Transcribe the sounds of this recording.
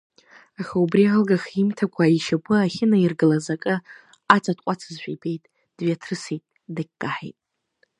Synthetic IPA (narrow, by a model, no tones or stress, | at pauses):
aχaubrialɡaχimtʰakʷʰaiʃapʷʰʼɨaχʲɪnairɡɨlazakʼɨ | at͡sʰʼatʰʼqʷʼat͡sʰɨzʃʷᶣaibe̞jtʼ | d̥ɥiatʰrɨsitʼ | dakʲɡʼaħḛjtʼ